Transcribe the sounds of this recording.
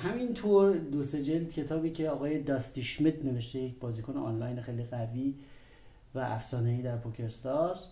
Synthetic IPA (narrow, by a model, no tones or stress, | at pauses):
hæmint̪ʰoːɾd̪ose̞d͡ʒeld̪cʰe̞t̪ʰɒːbiːcʰe̞ɒːɣɒːje̞d̪ɒːst̪iʃmet̪ne̞ve̞ʃt̪ejecʰbɒːziːkʰoneɒːnlɒjnexejliɣæviː | væʔæfsɒːneiːd̪æɾpʰɒcʰest̪ɒs